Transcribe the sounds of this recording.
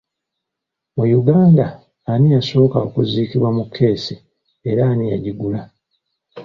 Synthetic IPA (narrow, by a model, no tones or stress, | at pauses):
mujuɡaːndaː | nijaso̞ːkao̞̰kuziːkiβwamukʰːe̞ːsi | eɾaːnijaɟiɡula